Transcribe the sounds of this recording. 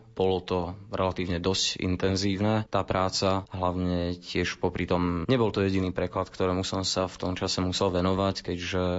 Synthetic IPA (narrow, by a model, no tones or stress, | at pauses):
b̥ɔlɔt̪ɔɾɛlat̪iːʊɲɛd̪ɔscḭnt̪ɛnziːʊnɛːt̪aːpɾaːt͡saɦlaʊɲɛcɪɛʃpɔpɾit̪ɔmɲɛbɔlt̪ɔjɛɟiniːpɾɛklat̪kt̪ɔɾɛːmusɔmsaft̪ɔmt͡ʃasɛmusɛlʋɛnɔʋackɛɟʒɛ